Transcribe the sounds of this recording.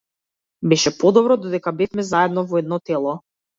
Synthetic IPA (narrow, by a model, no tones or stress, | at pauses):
bɛʃɛpɔd̪ɔbɾɔd̪ɔd̪ɛkabɛfmɛzaɛd̪nɔvɔɛd̪nɔt̪ɛlˠɔ